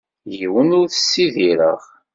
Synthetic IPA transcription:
jiwənʊɾθəsːiðiɾə̰ʁ

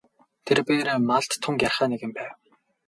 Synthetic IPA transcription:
t̪ʰerpeːɾeːmaɮt̪ʰːʊŋkjarχæːneɣɘ̆mpæːw

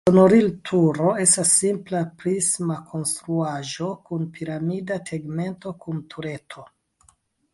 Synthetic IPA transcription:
sonoɾiltʰuɾo̞e̞stasːimplapɾismakʰo̞nstɾuaʒo̞kunpʰiɾamidatʰeɡme̞nto̞kʰuntʰuɾe̞tʰo̞

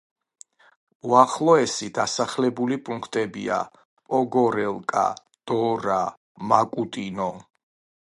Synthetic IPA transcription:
uaχlˠɔɛsid̪asaχlɛbulipʼuŋkʰt̪ʼɛbḭa̰ | pʼɔɡɔɾɛlˠkʼa̰ | d̪̥ɔɾa | makʼut̪ʼinɔ

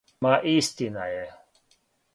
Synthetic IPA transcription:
maːʔiːst̪ina̰je

